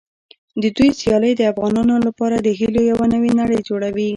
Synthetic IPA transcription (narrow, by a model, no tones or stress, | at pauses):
d̪əd̪ujsjɑləjd̪əafɣɑnɑnolapɑɾad̪əɦilojawanəwenaɽəjd͡ʒoɽawi